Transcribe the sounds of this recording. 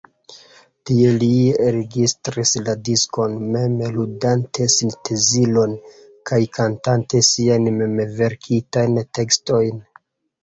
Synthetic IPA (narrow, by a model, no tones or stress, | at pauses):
tie̞liɾeɡistɾisladisko̞nme̞mludantʰe̞sintʰe̞zilo̞n | kʰajkʰantante̞siajnmemeve̞ɾkʰitajnte̞ksto̞jn